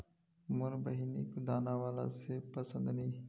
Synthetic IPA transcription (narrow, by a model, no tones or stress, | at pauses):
mʊɾbəɦinikud̪aːnawaːla̰sepɐsə̃nd̪niː